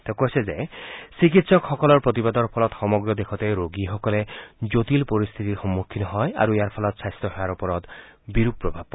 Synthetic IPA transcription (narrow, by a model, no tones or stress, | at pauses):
t̪ekosʰezesikit̪sɔkxɔkɔlɔɹpɹot̪ibad̪ɔɹpʰɔlɔt̪xɔmɔɡɹɔd̪ekʰɔt̪ejɾoɡixɔkɔled͡ʒot̪ilpɔɾist̪ʰit̪iɾxɔmːukʰːinɔɦɔja̰ɾuejaɾpʰɔlɔt̪sast̪ɔɦɔjaɾupɔɾɔt̪biɾupːɾɔbʱab̚